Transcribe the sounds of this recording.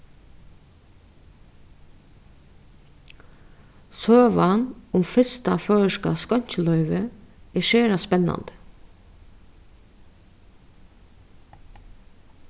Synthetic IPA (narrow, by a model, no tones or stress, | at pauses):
søːʋɑnʊmfɛst̪ɑføːəʃkɑ̰skɑɲçəlœʏʋəeːʃeːɾɑspɛnɑ̰nd̪̥ə̥